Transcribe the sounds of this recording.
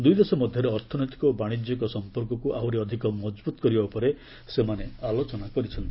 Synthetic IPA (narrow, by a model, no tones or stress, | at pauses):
d̪ujd̪esɔmɔd̪ʱjɔɾeɔɾt̪ʰɔnɔjt̪i̥kɔbaɽ̃id͡ʒjɔkɔsɔmpɔɾkɔkuʔawɾiɔd̪ʱikɔmɔd͡ʒbut̪ɔkɔɾibaupɔɾe | semanealot͡ʃɔnakɔɾit͡ʃʰɔnt̪